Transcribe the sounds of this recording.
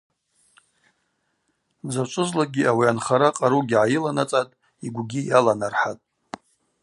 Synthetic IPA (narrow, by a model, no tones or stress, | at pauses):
d͡zat͡ʃʷʼʊzlaɡʲiʔawianχaɾaqʼaɾuɡʲʕajɪlanat͡sʼatʼ | iɡʷɡʲijalanarħatʼ